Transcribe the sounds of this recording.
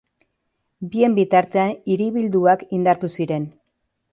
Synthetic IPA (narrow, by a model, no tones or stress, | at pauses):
bie̞mbit̪aɾt̪eaniɾiβild̪uakind̪aɾt̪usiɾe̞n